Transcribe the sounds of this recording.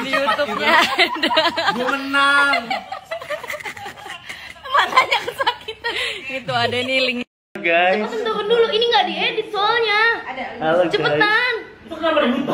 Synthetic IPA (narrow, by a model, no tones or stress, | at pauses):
diut̪up̚ɲadd͡ʒəməna | mat̪aɲakəsat̚kʰit̪aɡit̪uadainiliŋ | ɡaəjpəant̪obənduloʔiniŋɡaʔdiedisɔlɲaalad͡ʒəpət̪ant̪uabə